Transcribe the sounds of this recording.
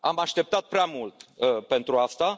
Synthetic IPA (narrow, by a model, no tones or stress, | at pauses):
amaʃt̪e̞p̚t̪at̪̚pɾeamult̪əpe̞nt̪ɾuast̪a